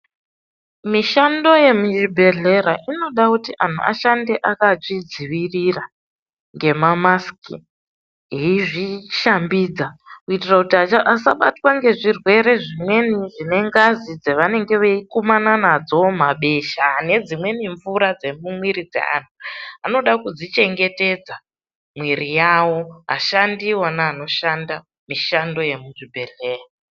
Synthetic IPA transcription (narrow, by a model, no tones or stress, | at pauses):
miʃando̞je̞muʒibʱe̞ɮe̞ɾaʔino̞ɗakutiʔan̤ʰṵa̰ʃande̞ʔakat͡ʂid͡ziʋirira | ŋɡe̞mamaskḭ | ɦeiʐiʃambiːd͡zakuitirakutiaaʔasaɓa̰twaŋɡe̞ʐirwe̞ɾe̞ʐimwe̞niʐine̞ŋɡazid͡zeʋane̞ŋɡe̞ʋeikomananad͡zomaɓe̞ʃaːne̞d͡zimwe̞niɱvuɾad͡ze̞mumwiɾid͡zḛa̰n̤uano̞ɗakud͡zit͡ʃe̞ŋɡe̞te̞d͡za | mwiɾijawo̞ɦa̰ʃandiwanaːno̞ʃanda | miʃando̞je̞muʐibʱe̞leːɦi